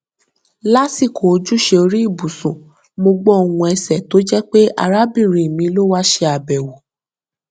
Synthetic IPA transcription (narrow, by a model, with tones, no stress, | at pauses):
la˦si˦˨ko˨o˧d͡ʒu˦ʃe˧o˧ɾi˦i˦˨bu˨sũ˨ | mo˧ɡ͡bɔ˦o˨wũ˧ɛ˧sɛ˨to˨˦d͡ʒɛ˦k͡pe˦a̰˧ɾa˦bĩ˦˨ɾ̃ĩ˨mĩ˨˧˦lo˦wa˦ʃe˧a˨bɛ˨wo˨